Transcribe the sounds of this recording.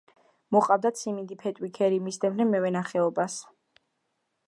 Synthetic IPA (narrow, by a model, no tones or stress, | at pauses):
mɔχʼavd̪at̪sʰimind̪ipʰɛt̪ʼwikʰɛɾimisd̪ɛbnɛmɛvɛnaχɛɔbas